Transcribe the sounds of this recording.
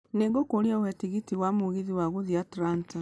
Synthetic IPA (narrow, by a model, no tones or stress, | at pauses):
neɡokoɾeaohɛtiɣitiwamoɣiðiwaɣoðiatɾanta